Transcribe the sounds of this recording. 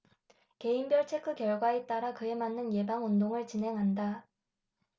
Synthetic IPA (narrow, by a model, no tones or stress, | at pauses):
ke̞imbjʌɭt͡ɕʰekʰɯkjʌɭɡwaet͈aɾakɯe̞manːɯnje̞baŋundoŋɯɭt͡ɕinɦe̞ŋɦanda